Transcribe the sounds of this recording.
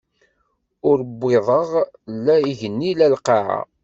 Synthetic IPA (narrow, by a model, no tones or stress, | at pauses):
ʊɾəbːɪðˤəʁlːæiʝənːilælqaʕa̰